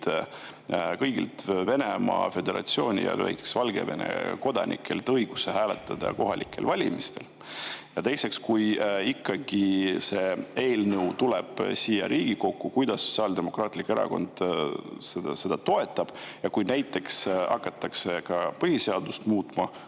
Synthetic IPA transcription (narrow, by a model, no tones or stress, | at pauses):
t̪ | kɤjɡḭlt̪ve̞nemɑ̰fe̞d̪e̞ɾɑ̰t̪sio̞ːnʲḭjɑ̰lvæ̰jkːˑeksvɑlɡe̞̰ve̞̰nḛko̞d̪̥ɑnʔḭkʰːˑelt̪ɤjɡ̥useɦæːlet̪ːˑɑd̪̥ɑ̰ko̞ɦɑlʲʔikːˑe̞̰lvɑlʲḭmist̪e̞l | jɑt̪ejse̞kskujikːɑɡ̥ise̞e̞ːlnɤwt̪uleb̥siːjːɑ̰ɾʔiːɡ̥iko̞kːukujd̪̥ɑsːotsʲiɑːld̪emo̞krɑːt̪ˑlikːeɾɑ̰ko̞̰nd̪̥sese̞d̪̥ɑt̪o̞e̞t̪ːˑɑb̥jɑkujnæjt̪ːˑe̞ksɑ̰kːˑɑt̪ːˑɑkse̞kɑpɤhiseɑd̪ust̪muːt̪mɑ